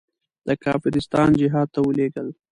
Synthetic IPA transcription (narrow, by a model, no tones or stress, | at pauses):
d̪̥əkɑːfɪɾɪst̪ɑnd͡ʒɪɦɑːd̪̚t̪awəleɡəl